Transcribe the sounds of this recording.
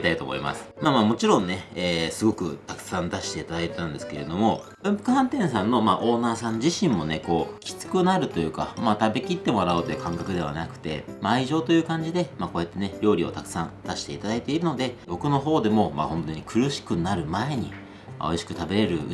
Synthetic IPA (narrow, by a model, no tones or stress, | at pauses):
it̪ait̪oːmo̰ḭma̰sɨ̥maːmaːmo̞t͡ɕiɾõ̞nnːe̞eːsɨɡo̞kɯ̟̰t̪akɯ̥sãnd̪aɕi̥t̪e̞it̪ad̪ait̪et̪ãnd̪e̞sɨ̥ke̞ɾe̞d̪o̞mo̞ | bɯ̟̃mpɯ̟̥kɯ̟ɦãnt̪ẽ̞ɰ̃sãnːo̞maːʔo̞ːnaːsãɲd͡ʑiɕĩmmo̞ne̞ko̞ːkʲi̥t͡sɨ̥kɯ̟naɾɯ̟t̪o̞jɯ̟ːka̰maːt̪abe̞kʲit̪ːe̞mo̞ɾaɯ̟ːt̪o̞jɯ̟kãŋkakɯ̟d̪e̞β̞a̰nakɯ̟̥t̪e̞̰maːiʑo̞ːt̪o̞jɯ̟ːkãɲ̟d͡ʑid̪e̞maːko̞ːjat̪ːe̞ne̞ɾʲo̞ːɾʲio̞̰t̪akɯ̟̥sãnd̪̥aɕi̥t̪e̞it̪ad̪ait̪e̞iɾɯ̟no̞d̪e̞bo̞kɯ̟no̞ɦo̞ːd̪e̞mo̞ma̰hõ̞nt̪o̞ɲ̟ikʰɯ̟ɾɯ̟ɕi̥kɯ̟naɾɯ̟mae̞ɲ̟i | ma̰oiɕi̥kɯ̟̥t̪abe̞ɾe̞ɾɯ̟̰